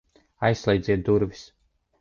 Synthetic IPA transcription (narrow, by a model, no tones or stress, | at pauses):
ajsːlˠɛjd̪zʲiɛt̪̚d̪uɾvis